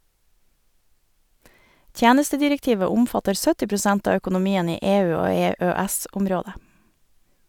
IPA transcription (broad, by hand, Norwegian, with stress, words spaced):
ˈtjæːnəstədɪɾɛkˌtiːʋə ˈʊmfɑtəɾ ˈsœtɪ pɾʊˈsɛnt ˈɑː œkʊnʊˈmiːən ˈiː ˈeːˌʉː ˈoː ˌeːˌøːˈɛsʊmˌɾoːdə